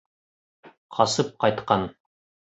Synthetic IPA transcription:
qʰɒsɤp̚qɑjt̪qɑn

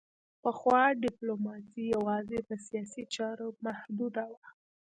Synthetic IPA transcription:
pəxwɑɖɪplomɑsijawɑzepəsijɑsit͡ʃɑɾomahd̪ud̪awa

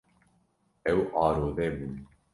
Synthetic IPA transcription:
ɛwʔɑːɾoːðɛbɨn

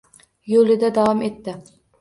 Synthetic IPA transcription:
jolɪd̪ɛd̪ɑwɑmet̪ːɪ

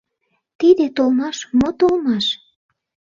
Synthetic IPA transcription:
t̪id̪et̪olmɑʃmot̪olmɑʃ

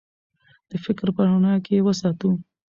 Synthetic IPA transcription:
d̪̥əfɪkɾpəɾʊnɑkewəsɑt̪u

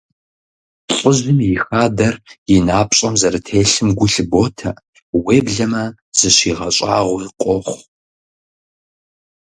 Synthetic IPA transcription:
ɬʼʊʑɨmjɪxaːdɐrjɪnaːpɕʼɐmzɐɾɨtʰeːɬɨmɡʷʊɬɨboːtʰɐ | weːbɮɐmɐ | z̥ɨɕiːʁɐɕʼa̰ːʁʷʊqʷʼɔχʷ

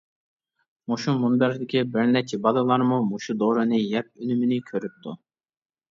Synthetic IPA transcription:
muʃumunbɛɾd̪ɪkʲʰibɪɾnɛt͡ʃʰibɑd̪ˠɑlˠɑɾmumuʃud̪oːɾɨnɨjɛp̚ynymynɪkʲʰøɾyp̚t̪ʰu

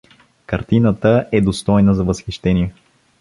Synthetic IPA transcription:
kɐɾt̪inət̪əʔɛd̪ost̪ɔjnəzɐvəsxiʃt̪ɛniɛ

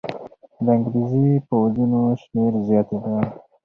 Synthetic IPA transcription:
d̪əaŋɡɾizipəwazinoʃmeɾzjɑt̪eɡ̪a

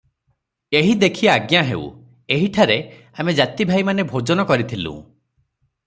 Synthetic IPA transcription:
eɦid̪ekʰiaaɡjaɦḛṵ | eɦiʈʰaɾe | amed͡ʒat̪ibʱajmanebʱod͡ʒɔnɔkɔɾit̪ʰilṵ̃

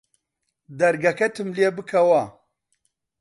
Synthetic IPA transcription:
d̪ɐɾɡɐkɐt̪ʰɨmliebɨkʰɐwa

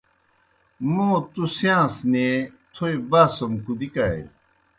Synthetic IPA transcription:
mõːt̪usijãːsnet̪ʰoebaːsomkud̪ikaḛ

